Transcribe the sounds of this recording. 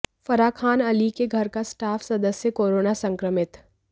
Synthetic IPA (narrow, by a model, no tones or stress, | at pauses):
fɐɾaːkʰaːnɐlikeɡʱɐɾkasʈaːfʰsɐd̪əsjəkoːɾoːnasɐ̃ŋkɾəmɪt̪